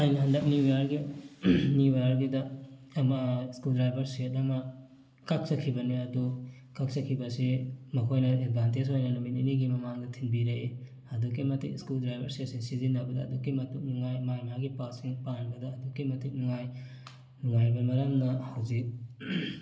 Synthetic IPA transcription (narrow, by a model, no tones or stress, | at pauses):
ajnɐɦɐndɐk̚niwajaɾɡi | miajaɾɡidɐːmɐiskuldɾajbʱɐɾsiet̚ɐmɐ | kak̚sɐkʰːibɐniɐdu | kak̚sɐkʰːibɐsimɐkʰojnɐed̚bʱantesojnɐnumitiniɡimɐmaŋdɐtʰinbiɾee | ɐduk̬ːimɐtikskuldɾajbɐɾsietsiŋsizinːabɐdɐːdukːimɐtuk̚nuŋajmajmaɡipasiŋpanbɐdɐːdukːimɐtuk̚nuŋaj | nuŋajbɐmɐɾɐmnɐhɐwzik̚